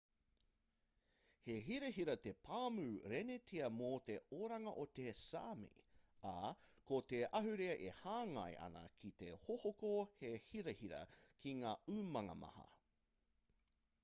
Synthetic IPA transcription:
heɦiɾɐɦiɾɐt̪epʰaːmʉɾenetʰiɐmot̪eoɾɐŋɐʔot̪esaːmḭakot̪eʔɐɦʉɾeɐʔehaːŋɐ̰jʔɐ̰nɐ̰kʰit̪ehohokohehiɾɐhiɾɐ̰kʰiŋaːʉːmɐŋɐ̰mɐ̰hɐ̰

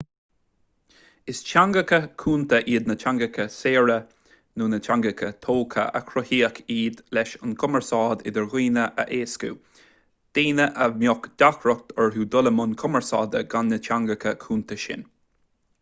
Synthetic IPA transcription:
ɪst͡ʃʰaŋɡəkəkʰuːnt̪əʔiːd̪nət͡ʃaŋɡɪkʰəseːɹə | nuːnət͡ʃʰaŋɡəkʰət̪ʰoːkʰə̰ə̰kʰɾɔhiːəkʰiːd̪lɛʃənkʰʊməɹsɑːd̪ɪd̪əɹɣiːnəʔə̰ʔeːskṵ | d̪̥eːnəʔəmjɔkd̪̥akɾɔk̚t̪ʰɛɹɦuːd̪ʊləmʊnkʰɔməɹsɑːd̪əɡanːət͡ʃʰaŋɡəkʰəkʰuːnt̪əʃɪ̰n

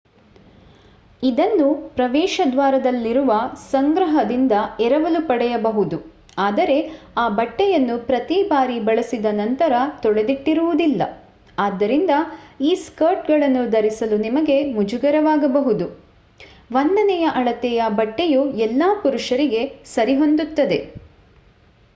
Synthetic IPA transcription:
id̪ɐnːupɾɐʋɛːʃɐd̪ʋaːɾɐd̪ɐlːiɾuʋɐsɐŋɡɾɐɦɐd̪ind̪ɐɛɾɐʋɐlupɐɽɛjɐbɐɦud̪u | aːd̪ɐɾe̞aːbɐʈːɛjɐnːupɾɐt̪ibaːɾibɐɭɐsid̪ɐnɐnt̪ɐɾɐt̪ɔɭe̞d̪iʈːiɾuʋud̪ilːɐ̰ | aːd̪ːɐɾind̪ɐiːskɐɾʈɡɐɭɐnːud̪ɐɾisɐlunimɐɡe̞mud͡ʒuɡɐɾɐʋaːɡɐbɐɦud̪u | ʋɐnd̪ɐnɛjɐʔɐɭɐt̪ɛjɐbɐʈːejuɛlːaːpuɾuʂɐɾiɡe̞sɐɾiɦo̞nd̪ut̪ːɐd̪e̞

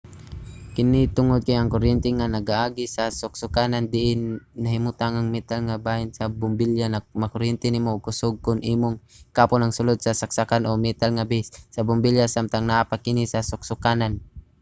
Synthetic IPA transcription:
kɪnɪt̪ʊŋod̪̚kajɐŋkʊɾɛnt̪ɛŋanɐɡaʔaːɡɪsɐsʊk̚sʊkaːnand̪ɪʔɪnːɐhɪmʊt̪aŋaŋmɛt̪alŋabaːhɪnsɐbʊmbiljanamɐkʊɾɛnt̪ɛnɪmokʊsʊɡ̚kʊnʔiːmoŋkaːponɐŋsʊlod̪̚sɐsak̚sakanʔomɛt̪alŋabɪsːɐbʊmbiljasamt̪aŋnaʔapakɪnɪsɐsʊk̚sʊkaːnan

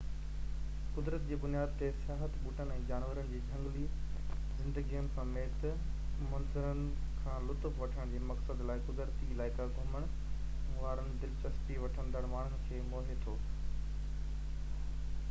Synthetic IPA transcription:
kʊd̪ɾət̪̚d͡ʑeːbʊnijaːd̪̚t̪esɪjaːɦət̪buːʈənɛ̃ːd͡ʑaːnʋəɾəñɪd͡ʑeːd͡ʑʱɐ̃ŋɡli | zɪ̃nd̪əɡijʊnɪ̆sɐ̃meːt̪ | mɐnzʊɾənɪ̆ | kʰãːlʊt̪ʊfʋɐʈʰəɽ̃d͡ʑeːmɐksəd̪laːɪkʊd̪ɾt̪ilaːɪkaɡʱɐməɽ̃ | ʋaːɾənɪ̆d̪ɪlt͡ɕɐspiʋɐʈʰənd̪əɽmaːɳ̤ʊnɪ̆kʰeːmoːɦet̪ʰoː

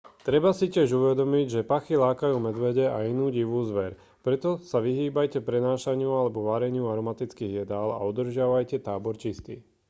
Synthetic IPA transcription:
t̪ɾɛbasicɪɛʒuʋɛd̪ɔmiɟʒɛpaxilaːkajuːmɛd̪ʋɛɟɛainuːɟiʋuːzʋɛɾ | pɾɛt̪ɔsaʋiɦiːbajcɛpɾɛnaːʃaɲɪualɛbɔʋaɾɛɲɪuaɾɔmat̪it͡skiːɣjɛd̪ala̰ɔd̪r̩ʒɪaʋajcɛt̪aːbɔɾt͡ʃist̪ḭː

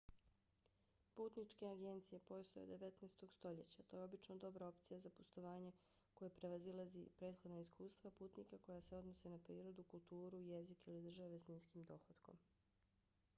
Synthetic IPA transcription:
puːt̪nit͡ʃke̞aɡe̞nt̪sije̞po̞st̪o̞jed̪ːe̞ʋet̪neːst̪o̞ɡst̪o̞ʎet͡ɕat̪o̞ːjeobit͡ʃnod̪o̞bɾao̞pt̪sijazapost̪o̞ʋaːɲe | ko̞jepɾe̞ʋazilˠazḭpɾeːd̪xo̞d̪naiskʰuːst̪ʋapuːt̪nikako̞jase̞o̞d̪nosenapɾiːɾo̞d̪ukulˠt̪uːɾuje̞zikilid̪r̩ʒaʋe̞sniːnskiːmd̪o̞xod̪ko̞̰m

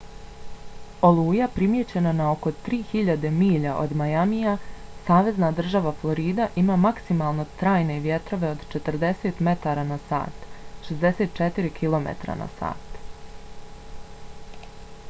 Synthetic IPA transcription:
o̞lˠuːjapɾimjet͡ɕe̞nanao̞ko̞t̪ɾiːçiʎad̪e̞miːʎaʔo̰d̪majamijasaːʋe̞znad̪r̩ʒaʋaflˠo̞ɾiːd̪aʔimaːmaksimalˠno̞t̪ɾaːjne̞ʋje̞t̪ɾo̞ʋe̞o̞d̪t͡ʃe̞t̪rd̪e̞se̞ːt̪me̞t̪aɾanasa̰ːt̪ʃezd̪e̞se̞ːt̪̚t͡ʃet̪iɾikʰilˠo̞mḛt̪ɾa̰na̰sa̰ːt̪

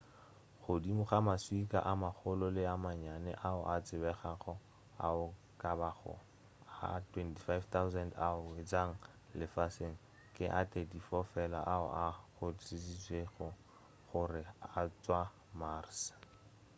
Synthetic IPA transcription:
χʊdimʊχamaswikʼa̰ʔamaχʰʊlʊlɪamaɲanɛ̰ʔaʊ̰ʔat͡sʼɪbɛχaχɔ | a̰ʊ | kʼabaχɔ̰ | a̰tʰwɛnti̥fajvt̪ʰawzɛndaʊwed͡zaŋ̩ | lɪfaseŋ̩ | kʼɪʔatedifɔfɛla̰ʔaʊ̰ʔaɣʊtisisweɣʊ | χʊrɪat͡swa | mars

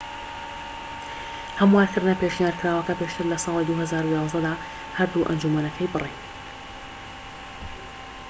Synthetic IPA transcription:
hamwaːt̪ɨɾnapeːʃnijaːɾkɾaːwɐkapeːʃt̪ʰɨɾlɐsˤɑːlid̪uhazaːɾujaːzd̪ɛd̪aː | haɾd̪uʔɐnd͡ʒumɐnɐkʰɐjbɨrˤejn

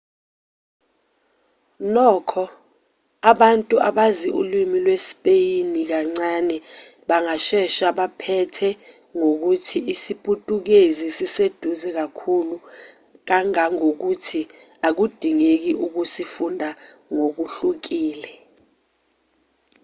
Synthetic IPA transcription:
nɔːkʰɔ | aɓantʼuʔaɓaziʔṵlimilwespʼejinik̬aŋ͡ǀanɛ | ɓaŋaʃɛʃaɓapʰɛtʰɛ | ŋok̬utʰiisipʼutʼuk̬ezisised̥ʱuzɛk̬akʰulu | k̬aŋaŋok̬utʰi | ak̬ud̥ʱiŋek̬iʔuk̬usifundʱa | ŋok̬uɬuk̬iːlɛ

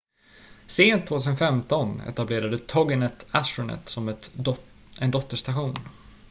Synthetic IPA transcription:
seːnt̪ʰːoːt̪ʰʉːsənfɛmt̪ɔnɛ̰t̪ableːɾad̪ət̪ʰɔɡənɛt̪ʰæsɾʊnɛ̰t̪sɔmt̪ | ɛnd̪ɔt̪ːəʂt̪aɧuːn

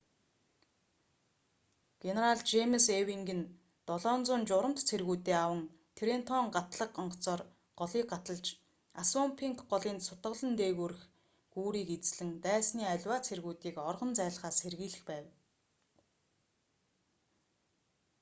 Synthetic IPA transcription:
ɡ̥eneɾaɮt͡ɕemsewiŋɡɘ̆n | t̪ɔɮɔːnt͡sʊːnt͡ɕʊɾə̆m̥t̪t͡sʰerɣuːt̪eːawə̆ŋ | t̪ʰeɾent̪ʰɔŋɢat̪ɮə̆qɔɴɢɞ̆t͡sɔːr | ɢɔɮiːk̚ɢat̪ə̆ɮt͡ɕ | asɔmpʰiŋkɢɔɮiːnsʊt̪ɢə̆ɮə̆nt̪eːɣuːɾɘ̆x | ɡuːɾiːket͡sɮɘ̆ŋt̪æːsniːaɮʲwaːt͡sʰerɣuːt̪iːkɔrʁɞ̆nt͡sæːɮχaːsxerɣiːɮɘ̆xpæːw

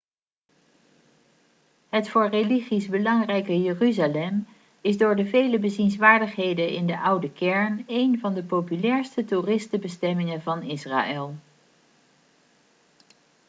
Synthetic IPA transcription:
ɦətfʊːɹreliχizbəlɑŋrɛjkəjəryzalɛm | ɪzdʊːɹdəvejləbəzinsʋaːɹdəχɦejdənɪ̰ndəʔʌwdəkɛɹnejnvɑndəpowpylɛːɹstəturɪstəbəstɛmɪŋənvɑnɪsra̰ːʔɛlˠ

